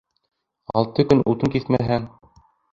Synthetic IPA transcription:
ɑ̰lˠt̪ɤkɵnʔut̪ɤŋkiθmæɦæŋ

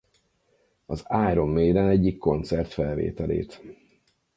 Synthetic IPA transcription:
ɒzaːjɾo̞mːeːɾɛnɛɟːikːo̞nt̪sɛrt̪fɛlvḛːt̪ɛlḛːt̪

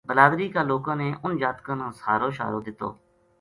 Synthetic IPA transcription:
bəlaːd̪ɾiːkaːloːkãːneːʔʊnd͡ʒaːt̪kãːnãːsaːɾoːʃa̰ːɾoːd̪ɪt̪ːo̰ː

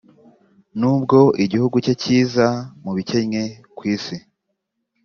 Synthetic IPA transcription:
nuːb̚ɡo̞ʔiɟihuɡuceciːzamuβice̞ɲɲe̞ | kwiːsi

